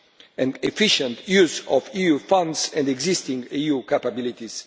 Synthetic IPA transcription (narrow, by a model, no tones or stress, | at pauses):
ɛ̃ndefiʃɛ̃nt̪juzɔviufãnd̪sɛ̃nd̪ɛɡzist̪ĩŋɡijukapabilit̪is